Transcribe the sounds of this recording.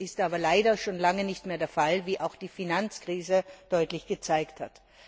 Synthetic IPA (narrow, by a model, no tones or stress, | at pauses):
ʔɪstʔaːbɐlaɪdɐʃoːnlaŋənɪçtmeːɐdeːɐfalviːʔaʊxd̥iːfinant͡skʁ̥iːzəd̥ɔʏtlɪçɡ̥ət͡saɪkthat